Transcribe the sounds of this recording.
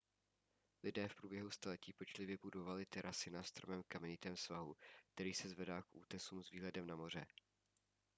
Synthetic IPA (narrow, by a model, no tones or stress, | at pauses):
lɪdɛːfpɾuːbjɛɦust̪alɛciːpɛt͡ʃlɪvjɛbudo̞valɪt̪ɛɾʔasɪnaːst̪ɾomɛmkamɛɲɪt̪ɛːmsvaɦuk̚t̪ɛɾiːsɛzvɛdaːkʔṵːt̪ɛsuːmzviːɦlɛdɛmnamo̞r̝ɛ